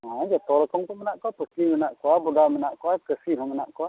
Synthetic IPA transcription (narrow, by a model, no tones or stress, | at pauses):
ãd͡ʒɛt̪ɔɾɛkɔŋt̪ɔmɛnaʔkɔpəkimɛnaʔkɔwabɔd̪amɛnaʔkɔwakəsiɦɔ̃mɛnaʔkɔa